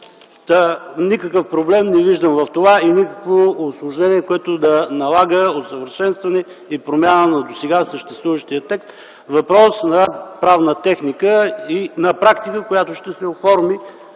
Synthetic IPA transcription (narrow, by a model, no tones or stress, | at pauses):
t̪ənikəkəfpɾoblɛmnɛviʒd̪əmvɐft̪ovainikəkvoːslˠʊʒnɛniɛkoɛt̪ʊd̪ɐnɐlˠaɡəot̪səvəɾʃɛnst̪vɐnɛ | ipɾomʲjanənɐd̪osɛɡasəʃt̪ɛst̪vuvəʃt̪iət̪ːɛkst̪ | vɐpɾɔsnɐpɾavnət̪ɛxnikəinɐpɾakt̪ikəkojat̪oʃt̪ɛsɛofɔɾmi